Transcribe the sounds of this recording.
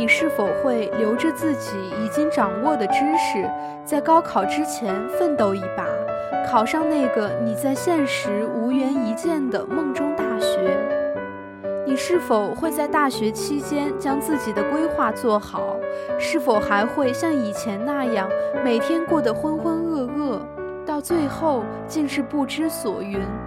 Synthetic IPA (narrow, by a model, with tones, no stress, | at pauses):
ni˨˩ʂɻ̩˥˩fo˨˩ʊxwe˥˩ɪljo˧˥ʊʈ͡ʂə˥˧t͡sɹ̩˥˩t͡ɕi˨˩˥i˨˩t͡ɕi˥ŋʈ͡ʂɑ˨˩ŋwɔ˥˩d̪ə˩ʈ͡ʂɻ̩˥ʂɻ̩˥˩ | t͡sa˥˩ɪkɑ˥ʊkʰɑ˨˩ʊʈ͡ʂɻ̩˥t͡ɕʰjɛ˧˥nfə˥˧nt̪o˥˩ʊi˧˨˥pa̰˧˥ | kʰɑ˨˩ʊʂɑ˥˧ŋna˥˩ɪɡə˩ni˨˩t͡sa˥˧ɪɕjɛ˥˩nʂɻ̩˧˥u˧˥ɥɛ˧˥ni˧˥t͡ɕjɛ˥˩nd̪ə˩mɤ˥˧ŋʈ͡ʂʊ˥ŋt̪a˥˩ɕɥɛ˧˥ | ni˨˩ʂɻ̩˥˩fo˨˩ʊxwe˥˧ɪt͡sa˥˧ɪt̪a˥˩ɕɥɛ˧˥t͡ɕʰi˥t͡ɕjɛ˥nt͡ɕjɑ˥ŋt͡sɹ̩˥˩t͡ɕi˨˩d̪ə˦kwe˥ɪxwa˥˧t͡swɔ˥˩xɑ˨˩˦ʊʂɻ̩˥˩fo˨˩ʊxa˧˥ɪxwe˥˧ɪɕjɑ˥˩ŋi˨˩t͡ɕʰjɛ˧˥nna˥˧jɑ˥˩ŋme˨˩ɪt̪ʰjɛ˥nkwɔ˥˩d̪ə˩xwə˥nxwə˥nɤ˥˧ɤ˥˩ | t̪ɑ˥˧ʊt͡swe˥˧ɪxo˥˧ʊ | t͡ɕi˥˧ŋʂɻ̩˥˧pu˥˩ʈ͡ʂɻ̩˥swɔ̰˨˩y˧˥n